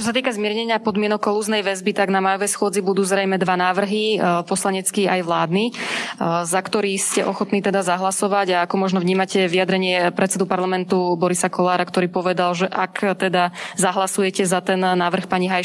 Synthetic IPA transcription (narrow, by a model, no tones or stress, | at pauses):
t͡ʃɔs̬at̪iːkazmɪɛɾɲɛɲɪapɔd̪mɪɛnɔkɔluːznɛjʋɛzbit̪aɡnamaːjɔʋɛjsxʊɔd͡zibud̪uːzɾɛjmɛd̪ʋanaːʋr̩ɦipɔslaɲɛt͡skiajʋlaːd̪ni | zakt̪ɔɾiːscɛʔɔxɔt̪niːt̪ɛd̪azaɦlasɔʋaɟaakɔmɔʒnɔvɲiːmacɛʋijad̪ɾɛɲɪɛpɾʔɛt̪t͡ssɛd̪upaɾlamɛnt̪ubɔɾisakɔlaːɾakt̪ɔɾiːpɔʋɛd̪alʒɛʔakt̪ɛd̪azaɦlasujɛcɛzat̪ɛnːaːʋr̩xpaɲiɦaj